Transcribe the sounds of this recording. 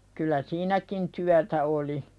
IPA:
kylˑæ siːnækin tyætæ oli

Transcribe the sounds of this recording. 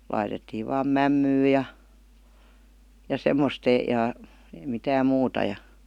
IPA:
lɑitetːiːʋ̆ ʋɑːm mæmːyː jɑ jɑ semːost ejɑ eĭ mitæːm̆ muːtɑ jɑ

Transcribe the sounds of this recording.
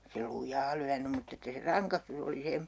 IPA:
se lujˑɑː lyænym mutː etːæ se rɑŋkɑstus oli se

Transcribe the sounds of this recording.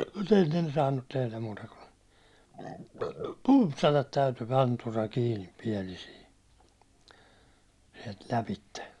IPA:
mut enːen ei ne sɑːnːut tehlæm muːtɑ kun pumpsɑtɑt tæytyː rɑnturɑ kiːnip piɛlisiː siɛlt læpitːe

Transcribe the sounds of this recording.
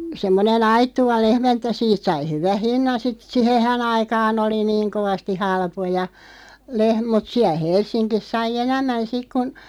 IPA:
semːonen ɑitːuʋɑ lehmæ etːæ siːt sɑi hyʋæh̆ hinːɑn sit sihehæn ɑikɑːn oli niːŋ koʋɑsti hɑlpojɑ leh mut siæl̆ helsˑinkis sɑi enæmːæn sik kun

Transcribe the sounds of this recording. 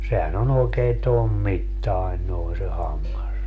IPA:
sehæn on oekeː tom mitːɑi̯n noi se hɑmːɑs

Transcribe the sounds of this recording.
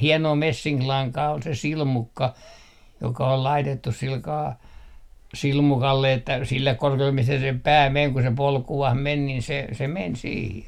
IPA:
hienoː mesːiŋklɑŋkɑː ol se silmukːɑ jokɑ ol lɑitetːus silkɑː silmukɑlːe etːæ silːek korkeulːem mistæ sem pæː meŋ ku se polkuh men nin se se men siːhe

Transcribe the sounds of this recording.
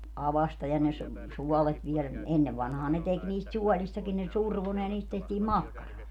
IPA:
ɑʋɑstɑ jɑ ne su suɔlet ʋielæ ni enːeʋ ʋɑnhɑː ne tek niːst suɔlistɑkin ne surʋo ne jɑ niːst tehtiː mɑkːɑrɑː

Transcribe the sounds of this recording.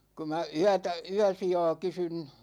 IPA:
ku mæ yætæ yæsijɑ̝ː kysyn

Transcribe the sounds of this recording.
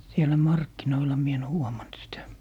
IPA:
sielæ mɑrkːinoilɑ mie en huomɑnt sitæ

